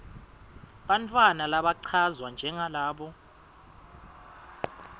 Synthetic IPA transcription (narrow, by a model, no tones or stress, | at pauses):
ɓant͡fʼwanalaɓaǀʰazwand͡ʒʱɛŋalaːɓɔ